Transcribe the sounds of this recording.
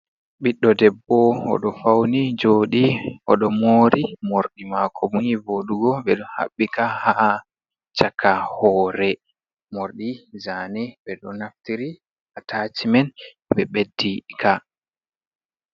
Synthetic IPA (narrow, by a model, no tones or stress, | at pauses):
ɓiɗːɔdɛbːɔɔ̰ɗɔfawnid͡ʒoːɗiʔɔɗɔmoːɾʔimoɾɗimakʰɔmujivoɗuɡɔbɛɗɔha̰ɓːikaha | t͡ʃakʰahɔːɾɛ | moɾɗizanɛbɛɗɔnaftiɾi | atʰat͡ʃimɛn | bɛɓedːika